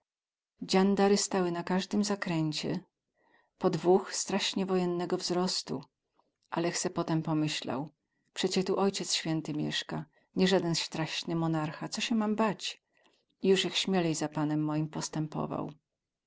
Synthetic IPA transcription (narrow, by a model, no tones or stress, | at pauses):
d͡ʑand̪aɾɘst̪awɘnakaʐd̪ɘmzakɾɛɲt͡ɕɛ̰ | pɔd̪vuxst̪ɾaɕɲɛvɔjɛnːɛɡɔvzɾɔst̪u | ʔalɛxt̪sɛpɔt̪ɛmpɔmɘɕla̰w | pʂɛt͡ɕɛt̪uʔɔjt͡ɕɛt̪sɕfʲjɛnt̪ɘmʲjɛ̰ʂka | ɲɛʐad̪ɛnst̪ɾaɕnɘmɔnaɾxat̪sɔɕɛmambat͡ɕ | ijuʂjɛxɕmʲjɛlɛjzapanɛmːɔjimpɔst̪ɛmpɔ̰va̰w